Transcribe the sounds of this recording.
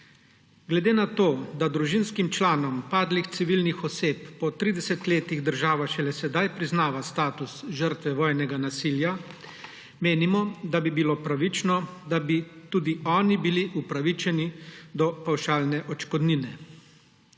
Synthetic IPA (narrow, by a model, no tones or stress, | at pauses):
ɡlɛd̪eːnat̪oːd̪ad̪ɾuʒinskimt͡ʃlaːnɔmpaːd̪lixt̪siʋilnixɔseːpːɔt̪ɾid̪ɛsɛt̪leːt̪iɣd̪əɾʒaːʋaʃɛlɛsɛd̪ajpɾiznaːʋast̪aːt̪usʒəɾt̪ʋɛʋɔːjnɛɡanasilja | meːnimɔd̪abibiloːpɾaʋit͡ʃnɔd̪abit̪uːd̪iɔːnibiliʔupɾaʋit͡ʃɛnid̪ɔpawʃaːlnɛʔɔt͡ʃkɔd̪ninɛ